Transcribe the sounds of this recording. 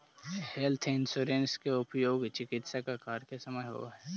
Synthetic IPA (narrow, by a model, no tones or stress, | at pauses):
helt̪ʰɪnsʊɾenskeʊpjoːɡt͡ʃɪkɪt̪sakakaːɾkesɐməjɦo̰ɦɛ